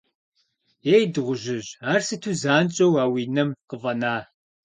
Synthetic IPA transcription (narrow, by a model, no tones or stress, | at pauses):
jeːjdɨʁʷʊʒɪʑaːrsɨtʰuːzaːnt͡ʃʼɐwaːwiːnɐmqəvɐnaː